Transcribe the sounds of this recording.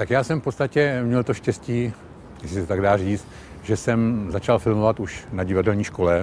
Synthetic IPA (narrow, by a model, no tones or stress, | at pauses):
t̪akjaːsɛmfpo̞t̪st̪acɛmɲɛlt̪oʃcɛsciː | jɛslɪst̪ot̪aɡdaːriːt͡st̪ | ʒɛsɛmzat͡ʃalfɪlmovat̪uʃnaɟɪvadɛlɲiːʃkolɛ